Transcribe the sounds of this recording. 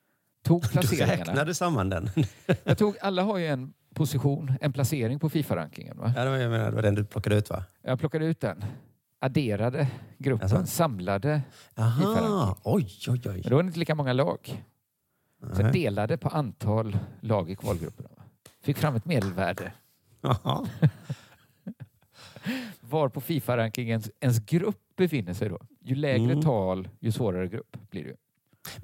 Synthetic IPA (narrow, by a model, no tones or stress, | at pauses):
t̪ʰuːɡ̚pʰlaseːɾɾɛɪŋananad̪əsamːand̪ɛ̰njɑt̪ʰuːɡalːaɦaɾjɵɛn | pʰʊsɪɧuːnɛnpʰlaseːɾɪŋpʰɔfiːfaɾa̰ŋk̪ɪ̰ŋə̰nva̰ad̪ɛjameːna̰d̪ɛ̰vadɛnd̪ɵpʰlɔkːad̪əʉ̟ːt̪va̰jap̪ʰɔkːad̪əʉːt̪̚d̪ɛn | ʔaɖeːɾad̪əɡɾɵpnsamlad̪əaɦiːaɾaɔjɔjɔjɛnd̪ɛvaɾɪnt̪əliːkamɔŋːalɑ̰ːɡ | sɛd̪eːlad̪əpʰɔʔant̪ʰɑːlːɑːɡɪkʰvɑ̰ːlɡɾɵ̰pːəɳvafɪkːfɾamːɛt̪meːd̪əlvæːɖə | vaɾpʰɔfiːfaɾaŋkɪŋənsɛns̬ɡɾɵpːbɛfɪnːəsɛjd̪ɔ̰jɵlɛːɡɾət̪ʰɑːljɵsvoːɾaɾəɡɾɵ̰pːb̥lɪ̰ɾɛjɵ̰